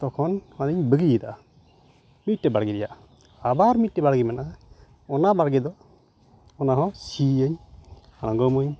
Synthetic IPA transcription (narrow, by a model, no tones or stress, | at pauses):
t̪ɔkʰɔnmad̪əɲbəɡijəd̪a̰ʔ | mit̚ːɛbaɽɡɛɾɛjaʔ | abaɾmit̚ʈɛbaɽɡɛmanaʔa | ɔnabaɽɡɛd̪ɔ | ɔnaɦɔ̃siəɲanaŋɡɔmɔɲ